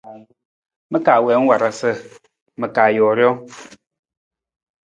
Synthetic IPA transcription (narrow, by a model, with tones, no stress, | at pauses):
mə˦ka˨wɛ˨˦ŋ̩˦wa˨ɾa˨sə˦˨ | mə˨kaː˨jɔː˨ɾjɔ˦